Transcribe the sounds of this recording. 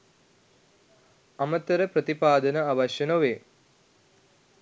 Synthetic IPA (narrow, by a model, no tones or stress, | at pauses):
ɐmɐt̪ːɐɾɐpɾɐt̪ipaːd̪ɐnɐɐʋɐʃjɐnoʋeː